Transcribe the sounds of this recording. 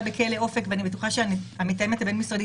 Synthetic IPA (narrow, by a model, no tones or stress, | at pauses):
bekʰeleofekveanibetuχaʃeaniamit̪ajemetabe̞nmisodi